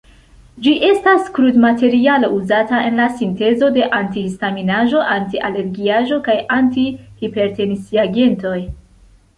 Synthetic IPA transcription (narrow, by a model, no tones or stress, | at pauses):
d͡ʒiʔe̞staskɾudmate̞ɾialouzatae̞nlasinte̞zo̞de̞ʔantihistaminaʒo̞ʔantiʔale̞ɾɡiaʒo̞kajantihipe̞ɾte̞nisiaɡe̞nto̞j